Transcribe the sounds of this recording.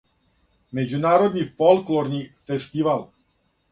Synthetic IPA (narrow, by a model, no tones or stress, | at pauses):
med͡ʑunaːɾod̪nifolˠkloɾnifest̪iʋalˠ